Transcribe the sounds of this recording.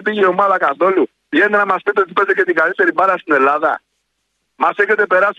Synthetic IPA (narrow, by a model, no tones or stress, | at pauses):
piiɛmalakaθɔlu | jɛnɛɾamaskɛt̪ɔd͡zipɛd͡zɛk̬ɛt̪iɡaisɛɾibaɾasinɛlaða̰ | masɛkɛt̪̬ɛpɛɾas